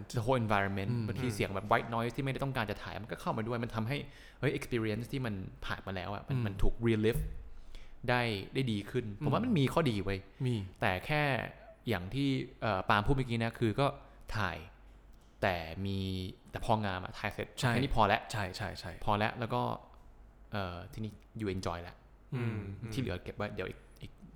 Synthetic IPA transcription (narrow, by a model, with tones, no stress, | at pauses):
də˧ɦoː˦˥ʔe˧nfa˧jɾɔ˧nme˦˥nba˧nt̪ʰiː˧si˨˩˦əŋbɛː˨˩p̚wa˦˥t̪̚nɔː˦˥jt̪ʰiː˥˩a˥˩jda˥˩t̪ɔ˥˩ŋkaː˧nt͡ɕa˨˩t̪ʰaː˨˩˦jma˧nkɔː˥˩kʰa˥˩wmaː˧du˥˩əjma˧nt̪ʰa˧mɦa˥˩j | ʔɤ˦˥jʔe˧kspi˧ɾi˧e˦˥nst̪ʰiː˥˩ma˧npʰa̰ː˨˩nmaː˧lɛː˦˥wʔa̰˨˩ma˧nma˧nt̪ʰuː˨˩k̚ɾiː˧liː˦˥f | daː˥˩jdaː˥˩jdiː˧kʰɯ˥˩npʰo˩˦wa˥ma˧nmiː˧kʰɔː˥˩diː˧wɤː˧jmi˧t̪ɛː˨˩kʰɛː˥˩jaː˨˩ŋt̪ʰiː˥˩ʔɤː˨˩paː˧mpʰuː˥˩ma˧˩ki˧na˦˥kʰɯː˧kɔː˥˩ | t̪ʰa̰ː˨˩j | t̪ɛː˨˩miː˧t̪ɛ˨˩pʰɔː˧ŋaː˧mʔa̰˨˩t̪ʰaː˧jse˦˥t̪̚ʰa˥i˧˨˦niː˦˥˩pʰɔː˧lɛ˦˥ʔt͡ɕʰa˥˩jt͡ɕʰa˥˩jt͡ɕʰa˥˩jpʰɔː˧lɛ˦˥ʔlɛː˦˥wkɔː˥˩ | ʔɤː˨˩t̪ʰiː˥˩niː˦˥˩ | juː˧˩ʔe˧nt͡ɕɔː˧jlɛ̰˦˥ʔ | t̪ʰiː˥˩lɯ˩˦ke˨˩p̚waː˥˩jdi˨˦wʔḭ˨˩k̚ʔi˨˩k̚